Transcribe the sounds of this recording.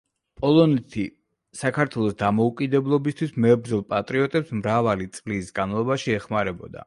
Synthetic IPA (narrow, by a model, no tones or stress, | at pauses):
pʼɔlˠɔnɛt̪ʰi | sakʰaɾt̪ʰwɛlˠɔsd̪amɔukʼid̪ɛblˠɔbist̪ʰwismɛbɾd̪zɔlˠpʼat̪ʼɾiɔt̪ʼɛpsmɾavalit̪sʼlisɡanmalˠɔbaʃiɛχmaɾɛbɔd̪a̰